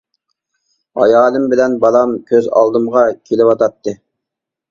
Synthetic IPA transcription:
ɑ̰jɑːlˠɨmbɪlɛnbɑlˠɑmkʲʰøzɑ̰lˠd̪ɨmʁɑkʲʰelɪpɑt̪ɑt̪ːɨ

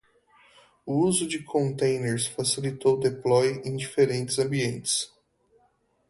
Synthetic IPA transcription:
ʊuzʊd͡ʒɪkʰõnt̪ẽj̃neɾsfasilit̪owd̪eplɔjẽj̃d͡ʒifeɾẽnt͡ʃɪzɐ̃mbiẽnt͡ʃɪ̥s

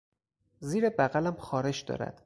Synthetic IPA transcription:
ziːɾebæɣælæmxɒːɾe̞d͡ʒd̪ɒ̰ːɾæ̰d̪̥

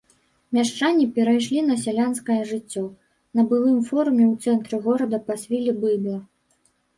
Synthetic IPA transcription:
mʲaʂt͡ʂanʲːipʲɛɾajʂlʲinɐs̬ʲalʲanskɐjɐʐɨt͡sʲːɔ | nɐbɨlˠɨmfɔɾumʲɛwt̪sɛnt̪ɾɨɣɔɾɐd̪ɐpɐsʲvʲilʲibɨblˠɐ

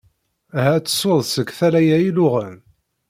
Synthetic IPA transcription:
hæt͡sːə̥sʊðˤsəɡθælæjæilʊʁən

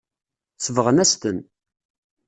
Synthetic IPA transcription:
səvəʁənæst̪ən

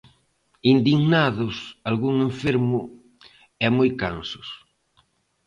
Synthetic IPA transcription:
ind̪iɣnaðʊsalɣuŋeɱfeɾmʊ | ɛmojkansʊ̥s

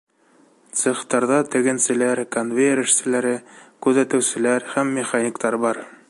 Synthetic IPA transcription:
t̪sɘ̆χt̪ɑɾðɑt̪ɘ̆ɡɘ̆nsɘ̆læɾkonvʲeɾɘ̆ʃsɘ̆læɾɘkʉðæt̪ɘ̆wsɘ̆læɾhæmːɪχanʲikt̪ɑɾbɑɾ

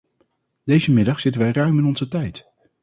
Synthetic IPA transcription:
d̥ejzəmɪdɑχsɪtənʋɛjrœɥmɪnɔnzətɛjt

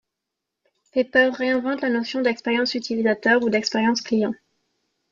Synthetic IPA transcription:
fepœʁːeɛ̃vɑ̃t̪lanɔsjɔ̃d̪ɛkspɛʁjɑ̃syt̪ʰilizat̪œʁud̪ɛkspɛʁjɑ̃sklijɑ̃

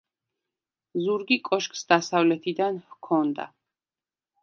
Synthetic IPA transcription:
zuɾɡikʼɔʃkʼsd̪asavlɛt̪ʰid̪anhkʰɔnd̪a̰

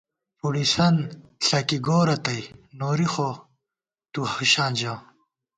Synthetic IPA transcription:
puɽisɐnɬɐkiɡoːɾɐt̪ɐjnoːɾixo | t̪uhuɕaːnd͡ʑãː

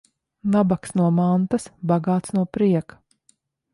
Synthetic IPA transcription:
nabaksnuɔmant̪asbaɡaːt̪snuɔpɾiɛk

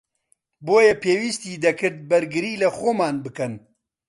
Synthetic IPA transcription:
boːjɐpʰeːwist̪iːd̪ɐkɨɾd̪̚bɐɾɡɨɾiːlɐxoːmaːnbɨkɐn

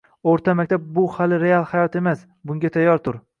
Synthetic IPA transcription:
oɾt̪ʰamak̚ʲt̪ʰab̚bʊhalɪɾe̞alˠhajɒt̪e̞mas | bʊŋɡʲat̪ʰajːɒɾt̪ʰʊɾ

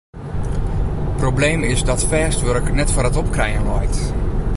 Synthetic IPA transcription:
problejmɪsdɔtfɛːstʋørknɛtfoːɾətɔpkrɛjənlɔjt

